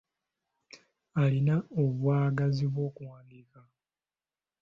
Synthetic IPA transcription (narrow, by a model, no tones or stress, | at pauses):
alinaoβwaːɡaziβwo̞ːkuwaːndika